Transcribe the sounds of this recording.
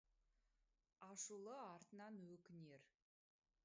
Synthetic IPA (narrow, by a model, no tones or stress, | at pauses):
ɑʃulˠəɑɾt̪ənɑnwɵkʲɪne̞ɾ